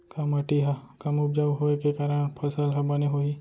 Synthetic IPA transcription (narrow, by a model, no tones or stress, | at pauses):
kɐmɐʈiɦɐkɐmʊb̚d͡ʒaʋɦoekekaːɾəɽ̃pʰɐsəlɦɐbɐneɦoi